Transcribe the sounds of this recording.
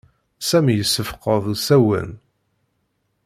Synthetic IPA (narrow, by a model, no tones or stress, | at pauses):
sæmjəsːəfqəðˤsæwə̰n